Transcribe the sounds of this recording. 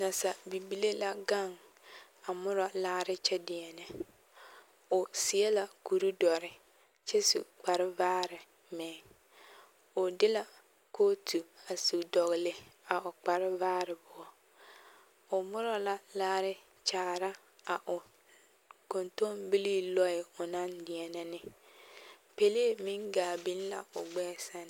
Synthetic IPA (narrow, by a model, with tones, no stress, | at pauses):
na˨sa˨bi˨bi˦le˦la˦ɡa˦˨ŋ | a˨mʊ˦ɾɔ˨laː˦ɾɪ˦t͡ʃɛ˦dɪ˨ɛ˨nɛ˨ | ʊ˨sɪ˨ɛ˦la˦ku˨ɾu˦dɔ˨ɾɪ˨ | t͡ʃɛ˦sṵ˨k͡pa˨ɾɪ˦vaː˦ɾɪ˨ | mɛː˨ | ʊ˨dɪ˦la˦ | ko˦tu˨a˨su˨dɔ˨ɣɪ˨lɪ˨a˨ʊ˨k͡pa˨ɾɪ˦vaː˦ɾɪ˨bʊ˦ɔ˦ | ʊ˨mʊ˦ɾɔ˦la˦laː˦ɾɪ˦ | t͡ʃaː˨ɾa˦ | a˨ʔʊ˨ | ko˨nto˦mbi˦liː˦lɔ˦ɪ˨ʊ˨na˦ndɪ˨ɛ˨nɛ˦nɪ˦ | pe˨le˦mɪ˦ŋɡaː˨bi˦n˦la̰˨ʊ˨ɡ͡bɛː˦sa˦n